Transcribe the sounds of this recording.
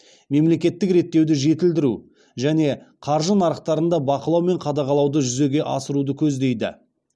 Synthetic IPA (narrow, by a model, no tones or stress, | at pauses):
me̞mle̞kʲe̞t̪ːɪkɾe̞t̪ːe̞wd̪ɪʒe̞t̪ɪld̪ɪɾu | ʒæne̞qʰɑɾʒənɑɾəq̚t̪ɑɾənd̪ɑbɑqəlˠɑwme̞ɴqʰɑd̪ɑʁɑlˠɑwd̪əʒʏze̞ɡʲe̞ʔɑ̰səɾud̪əkʲʰɵzd̪e̞jd̪ɪ̰